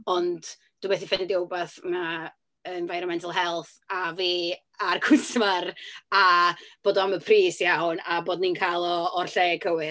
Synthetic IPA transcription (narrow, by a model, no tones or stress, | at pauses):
ɔnd | d̥uːbɛθifɛnɪdjowbaθma | ənvajɾɔmɛntʰəlˠɦɛlˠθ | aviː | arkʰʊsmarab̥oːdɔaməpʰriːsjawnaboːdninkʰalˠɔɔrɬeːkʰəwɪ